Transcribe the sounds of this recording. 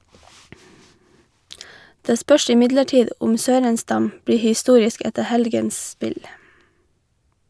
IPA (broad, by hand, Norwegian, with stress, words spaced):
ˈdeː ˈspœʃ ɪˈmɪdləˌʈiːd ˈʊm ˈsøːɾənˌstɑm ˈbɽiː hɪˈstuːɾɪsk ˈɛtə ˈhɛlɡəns ˈspɪl